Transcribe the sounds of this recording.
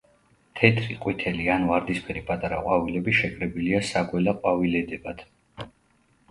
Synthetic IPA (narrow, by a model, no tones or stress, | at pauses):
t̪ʰɛt̪ʰɾiqʼwit̪ʰɛlianvaɾd̪ispʰɛɾipʼat̪ʼaɾaqʼwavilɛbiʃɛkʼɾɛbiliasaɡwɛlaqʼwavilɛd̪ɛbad̪̥